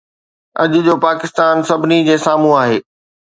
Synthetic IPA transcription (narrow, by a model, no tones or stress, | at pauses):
ɐ̰ʄʊd͡ʑoːpaːkɪst̪aːnsɐbʱɪnid͡ʑeːsaːmũaːɦeː